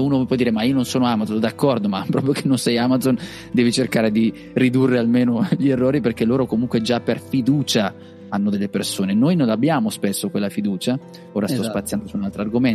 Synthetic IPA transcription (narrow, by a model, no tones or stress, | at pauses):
uːnopwɔd̪iːɾemaiononsoːnoamad̪zond̪akːɔrd̪omapːɾɔːpɾjokenːonsɛjamad̪zon | d̪ɛːvit͡ʃerkaːɾed̪i | rid̪urːealmeːnoʎierːoːɾiperkeloːɾokomuŋkwed͡ʒapːerfid̪uːt͡ʃa | anːod̪elːepersoːnenoːjnõnlːabːjaːmospesːokwelːafid̪uːt͡ʃa | oːɾast̪ɔspat̪sːjand̪osuunalt̪ɾoarɡomen